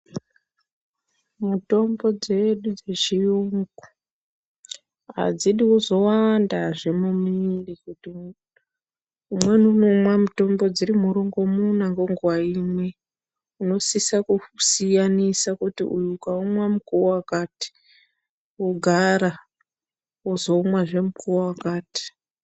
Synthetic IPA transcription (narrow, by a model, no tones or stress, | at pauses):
muto̞mbo̞d͡ze̞ɗud͡ze̞ʐiuŋɡu | ɦa̰d͡ziɗiuzo̞wandaʐe̞mumilikuti | umwe̞nunomwamuto̞mbo̞d͡ziɾimuɾuŋɡo̞munaŋɡoŋɡwaimwe̞ | uno̞sisakusijanisakutḭʔujukaumwamukuowakaːti̥ | uɡʱaɾa | uzo̞umwaʐe̞mukuwowakaːti̥